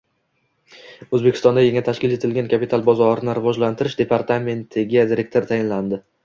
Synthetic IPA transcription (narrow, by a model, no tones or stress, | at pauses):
ɵzbekʲɪ̥st̪ɒnd̪ajeŋat̪ʰaʃkʲɪle̞t̪ʰɪlɡʲankʰʲapit̪ʰalˠbɒzɒɾɪnɪɾɪvɒd͡ʒlant̪ʰɪɾɪʃd̪e̞pʰaɾt̪ʰame̞nt̪ʰɪɡʲad̪iɾe̞k̚t̪ʰoɾt̪ʰajɪnland̪ɪ